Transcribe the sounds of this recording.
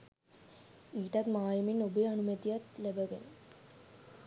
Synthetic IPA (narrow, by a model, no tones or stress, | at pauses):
iːʈat̪maːjəminobeanumət̪ijat̪læbəɡenə